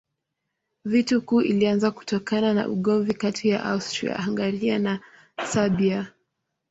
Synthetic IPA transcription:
vitukuːʔilianzaku̥tɔkanana̰ʔṵɠɔɱvikatʰija̰ʔa̰ustɾḭa̰aŋɡaɾiana | sabia

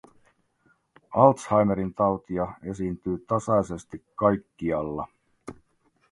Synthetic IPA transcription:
ɑlt̪shɑjmeɾint̪ɑwt̪iɑe̞siːnt̪yːt̪ɑsɑjse̞st̪ikːɑjkːiɑlːɑ̰

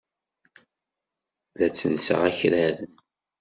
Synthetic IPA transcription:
læt͡sːənsə̰ʁæçɾæðən

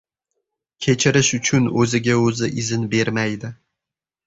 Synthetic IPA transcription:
kʲʰe̞t͡ʃʰɪɾɪʃʊt͡ʃʰʊnɵzɪɡʲaɵzɪʔɪzɪnbe̞ɾmajd̪ɪ

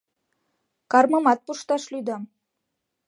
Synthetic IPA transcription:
kɑrmɤ̆mɑt̪̚puʃt̪ɑʃlujd̪ɑm

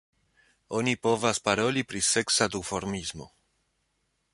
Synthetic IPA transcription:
o̞nipo̞vaspaɾo̞lipɾise̞ksad̪ufo̞ɾmizmo̞̰

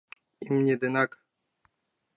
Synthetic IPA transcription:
imɲed̪ɛnak

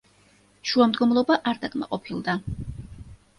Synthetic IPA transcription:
ʃuamd̪ɡɔmlˠɔbaʔaɾd̪akʼma̰qʼɔpʰilˠd̪a

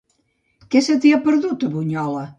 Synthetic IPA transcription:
kɛset̪iapəɾðut̪əβuɲɔlɐ

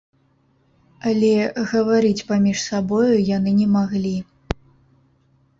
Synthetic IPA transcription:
alʲɛɣɐvaɾɨt͡sʲpamʲiʂsabɔjujanɨnʲɛmaɣlʲi

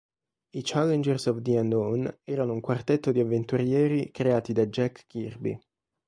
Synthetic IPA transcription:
it͡ʃalɛnd͡ʒɛrsɔvd̪iand̪onɛːɾanouŋkwart̪ɛt̪ːod̪iavːent̪uɾjɛːɾikɾeaːt̪id̪ad͡ʒɛkːirbḭ

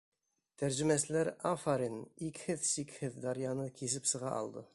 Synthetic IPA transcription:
t̪ʰæɾʒɘ̆mæsɘ̆læɾafaɾinikhɘðsikhɘðd̪ɑɾjɑnɤkʰisɘpsɤ̆ʁɑ̰ʔɑ̰lˠd̪ɤ

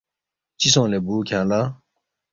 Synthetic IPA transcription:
t͡ɕisõːlebuːkʰãːla

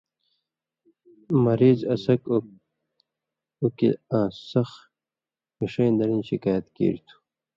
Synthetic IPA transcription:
mɐɾiːzɐsɐk | ukḭãːsɐx | miʂẽjnd̪ɐɾĩnɕikaːjɐt̪kḛːɾt̪ʰu̥

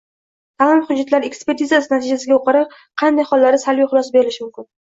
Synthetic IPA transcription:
t̪ʰaːlɪmχʊd͡ʒːat̪laɾe̞kspe̞ɾt̪ʰizasɪnat̪ʰɪd͡ʒasɪɡʲaoqʰɑɾɪp | qʰɑnd̪ajχɒlˠːaɾɪsalviχʊlˠɒsabe̞ɾɪlɪʃɪmʊmkʲʰɪn

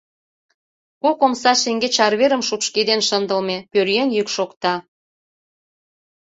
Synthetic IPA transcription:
kokomsɑʃeŋɡet͡ɕɑrβeɾə̆mʃupʃked̪enʃənd̪əlmepørjenjykʃokt̪ɑ

